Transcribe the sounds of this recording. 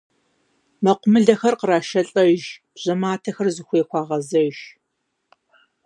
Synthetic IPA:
mɐqʷʊmɨɮɐxɐrqəɾaːʃɐɬʼɐʒ | ʑ̥ɐmaːtʰɐxɐrzɨxʷeːkʷɑːʁɐzɐʒ

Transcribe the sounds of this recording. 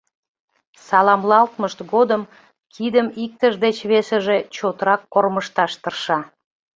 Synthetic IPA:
sɑlɑmlɑlt̪məʃt̪ɣod̪əm | kʰid̪əmik̚t̪əʒd̪et͡ɕβesəʒe̽t͡ɕot̪əɾɑkːorməʃt̪ɑʃt̪ərʃɑ

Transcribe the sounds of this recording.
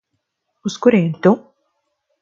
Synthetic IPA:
uskuɾent̪ʊ

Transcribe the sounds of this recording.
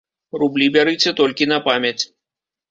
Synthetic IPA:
rublʲibʲaɾɨt͡sʲɛt̪ɔlʲkʲinɐpamʲjɐt͡sʲ

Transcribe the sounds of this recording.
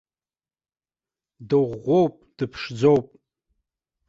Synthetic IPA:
dɨʁʷowpʼd̥ɨpʰʂd͡zowpʼ

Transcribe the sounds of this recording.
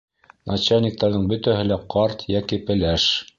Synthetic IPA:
nʔɑt͡ɕɑlnʲik̚t̪ɑɾðɤɴbɵ̆t̪æɦɘ̆læqɑɾt̪jækipɘ̆læʃ

